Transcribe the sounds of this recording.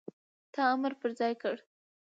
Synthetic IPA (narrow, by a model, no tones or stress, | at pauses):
t̪ɑaməɾpəɾzɑjkəɽ